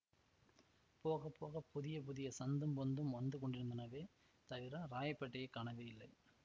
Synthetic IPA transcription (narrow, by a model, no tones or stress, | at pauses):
poːɣɐpːoːɣɐpʊðɪjɐpʊðɪjɐsɐnd̪ɯmpɔnd̪ɯmʋɐnd̪ɯkɔɳɖɪɾɯnd̪ɪnɐʋeː | t̪ɐʋɪɾɐɾaːjɐpːɐʈːɐjɐkːaːɳɐʋeːɪlːɐɪ